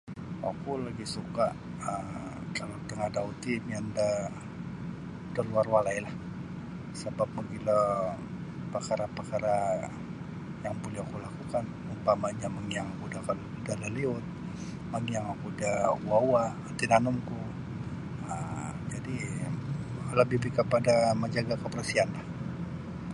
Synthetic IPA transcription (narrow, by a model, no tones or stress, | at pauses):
wakulaɡisukaʔ | əm | kalat̪əŋahdaut̪imjanda | daluarwalailah | səbap̚məɡilə | pəkaɾapəkaɾa | jaŋbulaakulakukan | umpamaɲamaŋijaŋakudakal | dalaliʊt̪̚ | maŋijaŋakudauwawa | t̪inanʊmku | əd͡ʒadi | ləbɪbihkəpadaməd͡ʒaɡakəpərasianlah